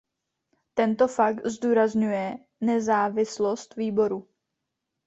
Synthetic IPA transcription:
t̪ɛnt̪ofak̚t̪zd̪uːɾazɲujɛ | nɛzaːvɪslo̞st̪viːbo̞ɾu

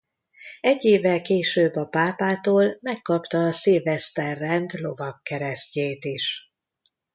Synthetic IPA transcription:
ɛɟːeːvːɛlkeːʃøːbːɒpaːpaːt̪oːlmɛkːɒpt̪ɒːseːvɛst̪ɛrːɛnd̪lo̞vɒkːɛɾɛsceːt̪iʃ

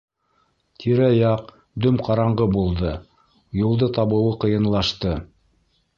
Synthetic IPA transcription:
t̪ʰiɾæjɑq | d̪ɵmqɑɾɑɴʁɤbulˠd̪ɤ | julˠd̪ɤt̪ɑβɤ̆wɤqɤ̆jɤ̆nlˠɑʃt̪ɤ

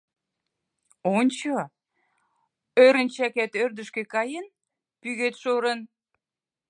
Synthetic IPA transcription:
onʲt͡ɕo | øɾənt͡ɕækæt̪ørd̪ə̆ʃkekɑjən | pyɣet̪ʃoɾə̆n

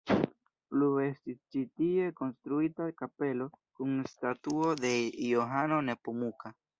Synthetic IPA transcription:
plue̞stist͡ʃitie̞ko̞nstɾuitakape̞lo̞kunstatuo̞de̞joɦano̞ne̞pumuka

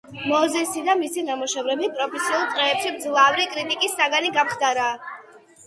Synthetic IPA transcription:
mɔzɛsid̪amisinamɔʃɛvɾɛbipʼɾɔpʰɛsiulˠt̪ʼɛːpʃibd̪zlˠavɾikʼɾit̪ʼikʼisːaɡaniɡamχd̪aɾaː

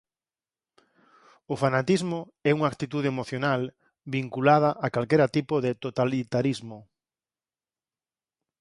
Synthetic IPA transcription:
ʊfanat̪izmʊ | ɛuŋak̚t̪it̪uð̞eemoθjonal | βiŋkulað̞ɐʔakalkeɾɐt̪ipʊðɪt̪ot̪alit̪aɾizmʊ

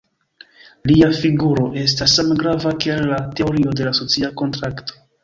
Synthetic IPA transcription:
liafiɡuɾo̞ʔe̞s̬tasːamɡɾavakialːate̞o̞ɾio̞de̞laso̞t͡siako̞ntɾakto̥

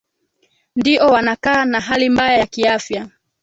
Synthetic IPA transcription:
ndiʔɔwanakaːnaɦalimbajajakiafja

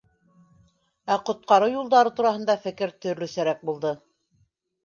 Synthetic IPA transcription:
æqŏt̪̚qɑɾɤwjulˠd̪ɑɾɤt̪uɾɑhɤ̆nd̪ɑfɘ̆kɘɾt̪ɵ̆ɾlɵ̆sæɾæk̚bulˠd̪ɤ

